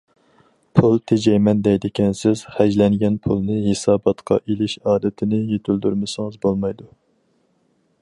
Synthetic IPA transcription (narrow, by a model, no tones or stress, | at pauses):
pʰulˠt̪ʰed͡ʒɛjmɛnd̪ɛjd̪ɪkʲʰɛnsɪz̥χæd͡ʒlɛŋɡʲɛnpʰulˠnɨhesɑːbɑt̪qʰɑ̰ʔelɪʃɑːd̪ɪt̪ʰɪnɪjet̪ʰylˠd̪yɾmɪsɨŋɨzbolˠmɑjd̪u